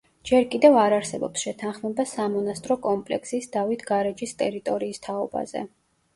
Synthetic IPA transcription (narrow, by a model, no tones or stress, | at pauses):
d͡ʒɛɾkʼid̪ɛvaɾaɾsɛbɔ̰psʃɛt̪ʰanχmɛbasamɔnast̪ʼɾɔkʼɔmpʼlɛ̰ksisd̪̥avit̪ʰɡaɾɛd͡ʒist̪ʼɛɾit̪ʼɔɾiːst̪ʰaɔba̰z̥ɛ̰